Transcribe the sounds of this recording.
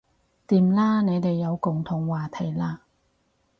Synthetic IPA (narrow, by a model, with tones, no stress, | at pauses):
t̪iː˨mlaː˥ne˨˧jt̪e˨jːɐ˨˧wkʊ˨˩ŋt̪ʰʊ˨˩ŋwaː˨t̪ʰɐ˨˩jlaː˧